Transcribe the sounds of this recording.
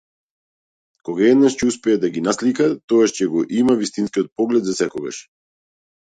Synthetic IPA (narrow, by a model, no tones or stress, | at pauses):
kɔɡaɛd̪naʃcɛuspɛɛd̪aɡinaslikat̪ɔɡaʃcɛɡɔʔimavist̪inskiɔt̪̚pɔɡlɛd̪zasɛkɔɡa̰ʃ